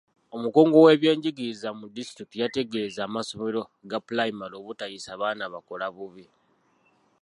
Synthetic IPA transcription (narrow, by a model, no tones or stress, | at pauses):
o̞muko̞ːŋɡo̞we̞βje̞ːɲɟiɡiɾizamudisi̥tɾik̚tijate̞ɡe̞ːzaːmaso̞meɾo̞ɡapulaimaɾo̞βutajisaːβaːnaβako̞laβuβi